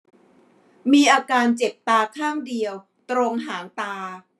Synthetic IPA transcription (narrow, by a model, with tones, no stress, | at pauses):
miː˧ʔaː˧kaː˧nt͡ɕe˨˩p̚t̪aː˧kʰaː˥˩ŋdi˧əw | t̪ɾo˧ŋɦaː˩˦nt̪aː˧